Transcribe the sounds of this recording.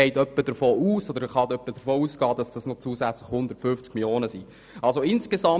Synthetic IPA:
ɛɪtœpːəd̥əɾfoːuːsɔd̪əɾχɑdœpːədəɾfoːuːsɡ̥ɑːdɑsd̥ɑsnɔt͡suːzæt͡slɪχhʊnd̪əɾtfʏft͡skmiljoːnəsi | ɑlsoɪnskezɑ

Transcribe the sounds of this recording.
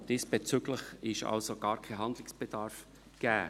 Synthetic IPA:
d̥iːsb̥et͡syɡləχɪʃɑ̰lsoɡ̥ɑ̰ːɾkʰaɦɑnd̪lɪksb̥ɛd̥ɑɾf | ɡ̥æː

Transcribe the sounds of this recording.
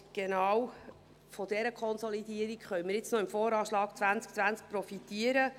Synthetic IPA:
ɡ̥enɑw | fodɛɾəkʰχɔnsolidiəɾikχœjməɾjɪt͡snɔɪmfoːɾɑːʃlɑːkt͡sʋænt͡sk̚t͡sʋænt͡sk̚pɾɔfitiəɾə

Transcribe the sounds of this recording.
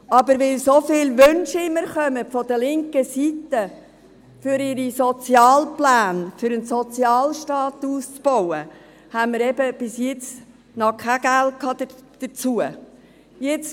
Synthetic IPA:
ɑbəɾʋɪlsofɪːlʋʏnʃɪɪməɾχœmətfɔd̥əlɪŋkəsit̪ə | fʏɾɪɾisɔt͡sjɑːlplæːnfʏɾənsɔt͡sjɑːlʃtɑːt̪uːst͡sb̥ɔwə | hænmɪɾɛb̥əb̥ɪsjɪt͡s | nɔkʰæɡ̥ælt̚kʰɑːdəd̪̥ət͡suə | jɪt͡s

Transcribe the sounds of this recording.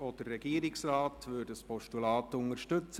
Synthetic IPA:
ɔd̥ərːɛɡiəɾɪksraːtʋʏːɾdəəspʰɔʃtulɑːtʊŋəɾʃtɵt͡sə

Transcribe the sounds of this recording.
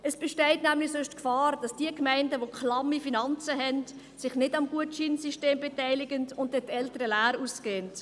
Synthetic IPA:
ʔəsb̥ɛʃtɛɪtnæmlɪsʊʃtkfɑːɾd̥ɑsd̥iəkmæɪndəʋokʰlɑmifinɑnt͡səɦɛnt | sɪχnɪdɑmɡuətʃinsiʃteːmbetɛɪlɪɡəntʊntdɛtɛltəɾəlæːɾuːskeːnt

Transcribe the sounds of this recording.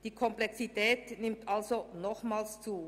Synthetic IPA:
d̥iːkʰɔmplɛksitʰɛːtnɪmtʔalzonɔχmaːlst͡suː

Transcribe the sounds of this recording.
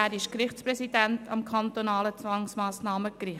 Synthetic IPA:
æːɾɪʃkɾɪχt͡spɾɛsid̥æntʰɑ̰mkʰɑnt̪onɑːlət͡sʋɑŋsmɑːsnɑːməkɾɪ

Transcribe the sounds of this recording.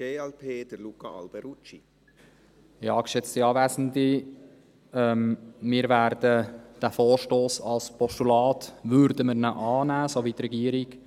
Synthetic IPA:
ɡ̥eːɛlpʰeːd̥əɾlukɑɑ̰lb̥ɛɾut͡ʃi | ɑːkʃɛt͡stiɑːvæsən̩di | ɛmmɪːɾvæːɾd̥əd̥æfoːrʃtoːsɑlspʰɔʃtulɑːtʋʏɾdəməɾnəʔɑːnæːsoʋit̪rɛɡiəɾɪk

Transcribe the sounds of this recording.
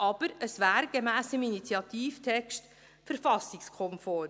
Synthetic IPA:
ʔɑb̥əɾəsvæːɾɡ̥emæːsəminit͡sjɑt̪iːftʰɛkʃt | fəɾfɑsikskʰɔmfɔː

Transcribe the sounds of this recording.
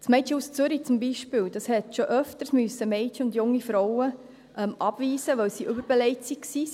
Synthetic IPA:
smɛɪt͡ʃəust͡sʏɾit͡sʊmbiʃpɪːld̥ɑshɛtʃoʔœftəɾsmyəsəmɛɪtəʊndjʊŋːifɾɔwə | ʔɛmʔɑb̥ʋiːsəʋœwsiːʔʏbəɾb̥ɛlɛɪt͡sikksiː

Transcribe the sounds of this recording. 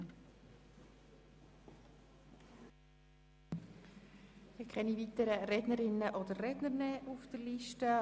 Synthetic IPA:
ɪkʰχɛnivitəɾəɾɛdnəɾɪnːəʔodəɾːɛdnəɾnɛːʔufd̥əɾliʃtə

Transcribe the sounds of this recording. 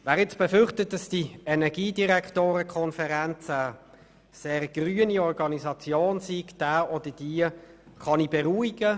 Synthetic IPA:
væːʁɪt͡sb̥ɛfʏɾχtət̚dɑsd̥iɛnɛʁɡiːdiʁɛktoːɾəkʰɔnfəʁænt͡sə | seːʁɡ̥ʁyːəniɔʁɡɑnizɑt͡sjoːnsiɡd̥æːɔdəd̥iːə | χɑnibɛʁuːiɡə

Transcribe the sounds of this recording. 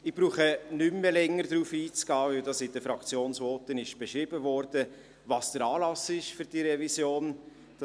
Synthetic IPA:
ɪb̥ɾuːχənʏmːəlɛŋːəɾdɾuːfiːt͡sɡ̥ɑːvɪldɑsɪd̥əfɾɑkt͡sjoːnsvoːtənɪʃb̥eʃɾɪb̥əvɔɾd̥ə | vɑsd̥əɾɑːlɑsɪʃfyɾd̥iːɾɛvisjoːn | d̥

